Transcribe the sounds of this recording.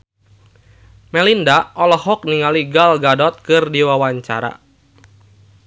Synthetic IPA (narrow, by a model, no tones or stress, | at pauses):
mɛlindaʔɔlɔhɔk̚niŋaliɡalɡadɔt̪̚kɨrdiwawaɲt͡ʃa̰ɾa̰